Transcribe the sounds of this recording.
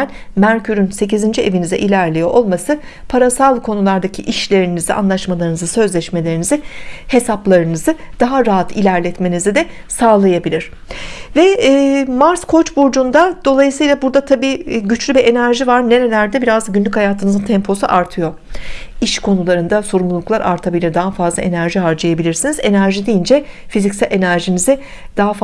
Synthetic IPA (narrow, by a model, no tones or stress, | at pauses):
ænmæɾcʰyɾynse̞cizind͡ʒie̞vinizɛ̰ʔilʲæɾlʲejo̞ʔo̞lˠmasɯ | pʰaɾasalˠkʰo̞nulˠaɾd̪acʰiʔiʃlʲe̞ɾinizia̰nlˠaʃmalˠaɾɯnɯzɯsø̞zlʲɛʃme̞lʲe̞ɾinizɪhe̞saplˠaɾɯnɯzɯd̪̥aɦaɾaɦat̪ʰilʲæɾlʲɛt̪me̞nizid̪ɛ | saːlˠajabilʲiɾ̥ | vɛːmaɾskʰo̞t͡ʃbuɾd͡ʒund̪ad̪̥o̞lˠajɯsɯjlˠabuɾd̪at̪ʰabiːɟyt͡ʃlʲybɛʔe̞næɾʒivaɾne̞ɾelʲæɾd̪ɛbiɾazɟynlʲychajaːt̪ʰɯnɯzɯnt̪ʰɛmpʰo̞sṵʔaɾt̪ʰɯjo̞ | iʃkʰo̞nulˠaɾɯnd̪aso̞ɾumlˠulˠuklˠaɾʔa̰ɾt̪ʰabilʲiɾd̪aɦafazlˠa̰e̞næɾʒiɦaɾd͡ʒajabilʲiɾsinize̞næɾʒid̪ijind͡ʒɛ | fizicsælʔe̞næɾʒinizi | d̪̥aɦaf